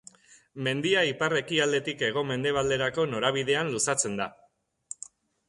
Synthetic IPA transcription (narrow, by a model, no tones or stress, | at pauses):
me̞nd̪iaipare̞kiald̪e̞t̪ike̞ɣ̞o̞me̞nd̪e̞β̞ald̪e̞ɾako̞no̞ɾaβ̞ið̞e̞anlusat͡se̞nd̪a